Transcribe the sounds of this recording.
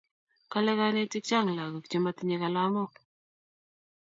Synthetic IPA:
ka˦lɛ˦ka˦ne˦ti˦k̚t͡ʃa˦˨ŋla˨ɡu˨kt͡ʃi˦ma˦tɲɛ˦ka˨la˦mɔ˦

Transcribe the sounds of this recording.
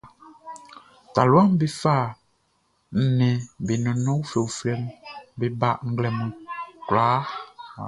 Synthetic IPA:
ta˨lu˨˦a˦mbe˦fa˦˨ | n̩˨nɛ̃˨be˨nɔ̃˨nɔ̃˦wfe˨wu˨flɛ˦mbe˦ba˦ʔŋ̩˦ɡlɛ˨mũ˨klaː˨˦

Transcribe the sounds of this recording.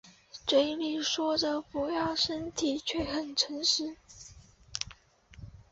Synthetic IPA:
ʈ͡ʂwe˧˥ɪli˨˩ŋʂwɔ˥də˨pu˧˥jɑ˥˩ʊʂə˥nt̪ʰi˨˩t͡ɕʰɥɛ˥˩xə˨˩nʈ͡ʂʰə˧˥ŋʂɻ̩˧˥

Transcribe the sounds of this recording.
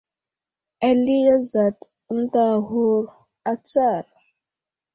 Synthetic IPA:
a˦˨li˦ja˦za˨t | n̩˦ta˦˨ɦu˦ɾ | a˦t͡sa˦˨ɾ

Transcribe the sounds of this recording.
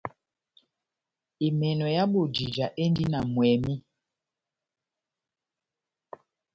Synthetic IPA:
i˨mɛ˨nɔ˨ja˦ɓu˨d͡ʒi˨d͡ʒa˨ʔe˦ndi˦na˨mwɛ˨mi˦

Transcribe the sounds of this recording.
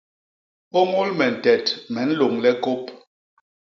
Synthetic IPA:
o˦ŋo˦lmɛ˨n̩˨tɛ˨tmɛ˨n̩˦lo˨ŋlɛ˦ko˦p

